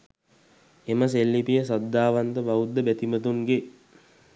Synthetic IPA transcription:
eməs̬elːipijəs̬ad̪ːaːʋant̪əbaud̪ːəbæt̪imət̪uŋɡe

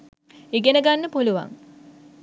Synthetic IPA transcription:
eɡenəɡanːəpuluʋa̰ŋ

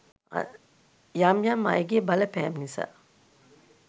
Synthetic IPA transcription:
jamjamːa̰jɡeːbaləpɛːmnisa̰ː

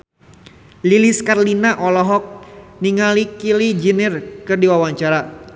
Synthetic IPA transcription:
liliskarlinaʔɔlɔɦɔk̚niŋalikilid͡ʒinirkɨrdiwawaɲt͡ʃaɾa

